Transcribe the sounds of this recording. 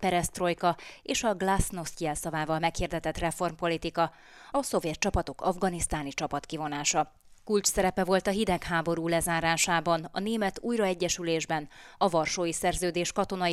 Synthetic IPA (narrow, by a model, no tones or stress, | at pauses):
pɛɾɛst̪ro̞jkɒeːʃɒɡlasno̞st̪iɛlsɒvaːvɒlmɛkhiːrd̪ɛt̪ɛt̪rɛfo̞rmpo̞lit̪ikɒ | ɒso̞vjɛt̪̚t͡ʃɒpɒt̪o̞kɒvɡɒnist̪aːnit͡ʃɒpɒt̪kivo̞naːʃɒ | kult͡ʃsɛɾɛpɛvo̞lt̪ɒɦid̪ɛkhɦaːbo̞ɾuːlɛzaːɾaːʃaːbɒnɒ̰neːmɛt̪uːjrɒɛɟːɛʃyleːʒbɛnɒvɒrʃoːjisɛrzøːd̪eːʃkɒt̪o̞nɒ